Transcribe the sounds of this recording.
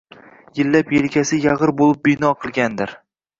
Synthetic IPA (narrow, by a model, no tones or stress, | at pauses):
jɪlːapjelkʲʰasɪjɑʁɨɾbolˠɪp̚bɪnɒqʰɨlˠɡʲand̪ɪɾ